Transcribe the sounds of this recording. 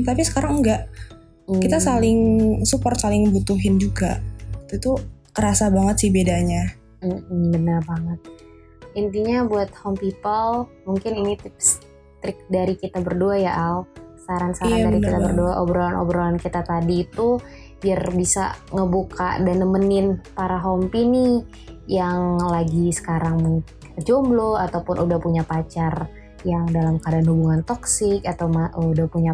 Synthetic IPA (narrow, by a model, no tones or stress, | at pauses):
t̪apisə̥kaɾaŋŋɡaʔ | kit̪asalɪŋsupɔrt̪̚salɪŋbut̪uɦɪnd͡ʒuɡaʔt̪uit̪ukəɾasabaŋət̪sihbedaɲa | m̩bənərbaŋət̪̚ | int̪iɲabuat̪̚hɔmpipəl | muŋkɪninit̪ɪp̚s | t̪ɾɪk̚daɾikit̪abərduajaʔalsaɾansaɾandaɾikit̪abərduaʔobɾolanʔo̰bɾolankit̪at̪adiːt̪u | b̥iarbisa̰ŋəbuka̰ʔdanəmənɪnpaɾaɦɔmpini | jaŋlaɡisə̥kaɾaŋmuŋ | d͡ʒombloat̪awpʊnʔudahpuɲapat͡ʃar | jaŋdalamkadanhubuŋant̪ɔksɪkat̪awmaudahpuɲa